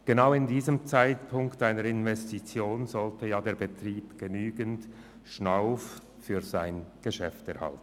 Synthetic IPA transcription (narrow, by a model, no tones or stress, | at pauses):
ɡ̥enaʊɪndiːzəmt͡saɪtpʰʊŋktaɪnəɾɪnvɛstit͡sjoːnzɔltəjaːdeːɐbetriːpɡ̥enyːɡənt | ʃnaʊf | fyːʁzaɪnɡ̥əʃɛftɛɐha̰ltn̩